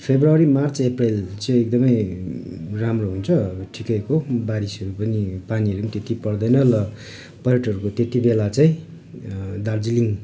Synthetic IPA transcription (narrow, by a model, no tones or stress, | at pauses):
pʰebrʌɾimart͡seprelt͡sʌ̃ek̚d̪ʌmʌj | ramroɦunt͡sʰʌʌbʌʈʰikʌjkobaɾisʌɾupʌnipaniɦʌɾuʌnit̪et̪ipʌɽd̪ʌjnʌlʌ | pʌɾeʈʌɾukot̪et̪ibelat͡saĩ | d̪ard͡ziliŋ